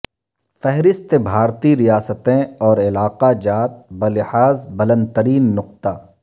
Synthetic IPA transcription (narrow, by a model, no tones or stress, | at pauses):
fɛɦɾɪst̪ebʱaːɾt̪iɾijaːsət̪ẽɔːɾɪlaːqad͡ʒaːt̪̚bɐlɪhaːzbɐlə̃nd̪̚t̪əɾiːnːʊq̚t̪a